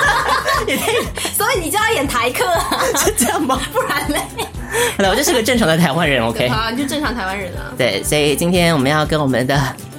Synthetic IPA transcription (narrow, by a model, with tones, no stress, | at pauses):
ji˨˩t̪e˥˩ɪswɔ˧˥i˨˩ni˨˩t͡ɕo˥˧jjɛ˨˩nt̪ʰa˧˥ɪkʰɤ˥˩˥t͡ɕjɑ˥˩ŋbɐ˨˩pu˥˩ɻa˧˥nle˧˩ | xo˧d̪t͡ɕjʂɻ̩˥˧˥ɡə˧ʈ͡ʂɤ˥˩ŋʈ͡ʂʰɑ˧˥ŋd̪ə˧t̪ʰa˧˥ɪwa˥nɻə˧˥no˧kʰe˥ɪ˨o˥˧ʂ̩˥ʈ͡ʂnʰɑ˧˥ŋət̪ʰɪwa˥nɻə˧˥nlə̰˧t̪we˥˩ɪswɔ˧˥i˨˩t͡ɕi˥nt̪ʰjɛ˥nwɔ˨˩mə˦jɑ˥˩ʊkə˥nwɔ˨˩mə˦nd̪ə˨